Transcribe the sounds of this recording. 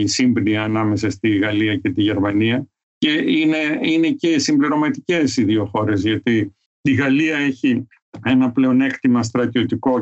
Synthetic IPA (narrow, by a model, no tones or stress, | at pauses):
isimbniɐːnɐme̞sɐst̪iɣɐliɐce̞t̪iʝe̞ɾmɐniɐ | ce̞ine̞ine̞ce̞simbliɾo̞mɐt̪ice̞siðio̞xo̞ɾe̞zʝɐt̪i | t̪iɣɐliɐe̞çi | e̞nɐple̞o̞ne̞kt̪imɐs̬t̪ɾɐt̪io̞t̪iko̞